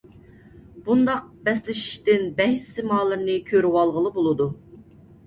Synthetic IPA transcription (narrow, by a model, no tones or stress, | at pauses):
b̥und̪ɑq̚bɛslɪʃi̥ʃt̪ɪnbɛɦissɪmɑːlˠɨɾnɨkʲʰøɾywɑlˠʁəlˠɨbolˠɨd̪u